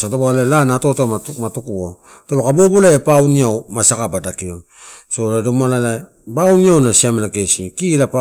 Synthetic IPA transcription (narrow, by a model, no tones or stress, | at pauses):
satoboalelanato̞tomamatukuo | tolokabobolaepawniawmasakabadakio | so̞ladomalala | bawniawnasiamenakesikilapa